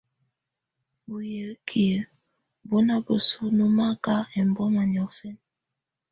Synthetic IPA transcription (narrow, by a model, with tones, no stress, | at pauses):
bu˨jə˨˦kʰi˨ə˨ | bo˦na˦bo˨su˦nu˦ma˦ka˦ɛ˨m˨bɔ˦ma˨ɲ˨ɔ˨fɛ˦n